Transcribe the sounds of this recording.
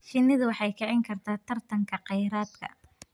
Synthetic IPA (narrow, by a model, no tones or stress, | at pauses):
fɪnːɪðʊwɑħɑjkʰɛʕɪŋkʰɐrt̪ʰaːt̪ʰɐrt̪ʰɐŋkʰɐqɛjɾaːd̪kʰɐ̰